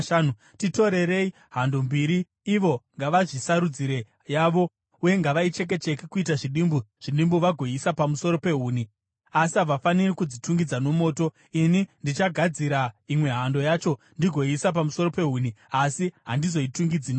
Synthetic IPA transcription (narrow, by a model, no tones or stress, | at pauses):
anu | tito̞ɾe̞ɾe̞i | ɦando̞mbiːɾiː | ʋo̞ŋɡaʋaʐisaɾud͡ziɾe̞ | jaːʋo̞ | uje̞ŋɡaʋait͡ʃe̞k̬e̞t͡ʃe̞kikuitaʐiɗimbuʐ̥iɗimbuʋaɡʱo̞isapamuso̞ɾo̞pe̞ɦuːni | asiɦaʋafanirikud͡zituŋɡid͡zano̞mo̞ːto̞ | inindit͡ʃaɡʱad͡ziɾaimwe̞ɦando̞jaːt͡ʃo̞ | ndiɡʱo̞isap̬amuso̞ɾo̞pe̞ɦuniasiɦandizo̞ituŋɡid͡zino